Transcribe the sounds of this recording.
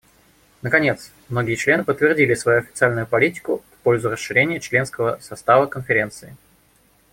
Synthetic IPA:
nəkɐnʲe̞t̪s | mnoɡʲɪjət͡ɕlʲe̞nɨpət̪ːvʲɪrdʲilʲɪsvɐjuɐfʲɪt̪sɨalʲnʊjʊpɐlʲitʲɪ̥kʊfpo̞lʲzʊrəsʂːɨɾʲenʲɪjət͡ɕlʲe̞nskəvəsɐst̪avəkənfʲɪɾʲe̞nt̪sɨɪ

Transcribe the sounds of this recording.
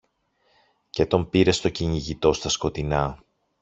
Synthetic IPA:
ce̞t̪o̞mpiɾe̞st̪o̞ciɲiʝit̪o̞st̪ɐsko̞t̪inɐ

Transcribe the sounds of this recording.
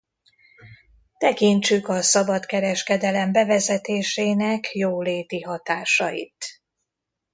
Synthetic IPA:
t̪ɛkiɲt͡ʃykɒsɒbɒt̪kɛɾɛʃkɛd̪ɛlɛmbɛvɛzɛt̪eːʃeːnɛkjoːleːt̪iɦɒt̪aːʃɒjḭt̪

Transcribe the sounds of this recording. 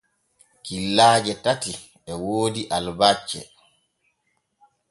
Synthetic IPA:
kilːaːd͡ʒɛtati | ɛwoːdiʔalbat͡ʃːɛ̰

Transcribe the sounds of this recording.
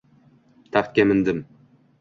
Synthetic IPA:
t̪ʰaχt̪̚kʲemɪ̆nd̪ɪm

